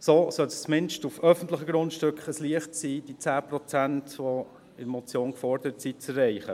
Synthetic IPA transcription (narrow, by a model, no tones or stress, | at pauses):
soːsœlst͡smɪnʃtufœfən̩tləχəɡɾʊntʃtʏkχəsliəχtsiːd̥it͡sæːpɾɔt͡sæntʋɔ | ɪɾmɔt͡sjoːnkfɔɾd̪əɾətsit͡sɛrɛɪχə